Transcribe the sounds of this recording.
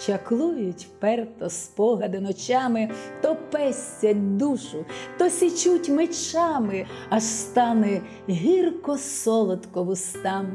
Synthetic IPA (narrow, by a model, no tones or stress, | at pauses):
t͡ʃɐklˠujʊtʲpɛrt̪ɔspɔɦɐd̪ɪnɔt͡ʃɑmɪt̪ɔpɛsʲt͡sʲɐd̪uʃʊt̪ɔsʲit͡ʃutʲmet͡ʃɑmɪ | ɐʃst̪ɑnɛ | ɦʲirkɔsɔlˠɔt̪kɔʋʊst̪ɑm